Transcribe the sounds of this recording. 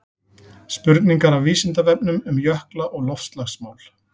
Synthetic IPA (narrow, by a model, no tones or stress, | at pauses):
spʏɾt̪niŋkaɾavviːsɪnt̪avɛp̚nʏmʏmjœhklaʔɔɣlɔfst̪laxsmaːwl̥